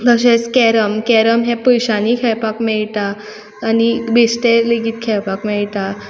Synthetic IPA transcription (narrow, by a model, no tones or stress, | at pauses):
d̪əɕeskɛɾəmkɛɾəmɦẽpəjɕanikʰɛpakmɛɭt̪aː | nibesʈeleɡiːt̪̚kʰɛɭpakmɛɭt̪a